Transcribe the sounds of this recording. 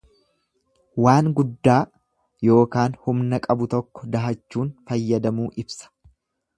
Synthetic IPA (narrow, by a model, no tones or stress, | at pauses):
waːŋɡʊd̪ːaː | jo̞ːkaːnhʊmnɐkʼɐbʊt̪ɔkːɔ̥d̪ɐɦɐt͡ʃːuːnfɐjːɐd̪ɐmuːʔɪbsɐ̥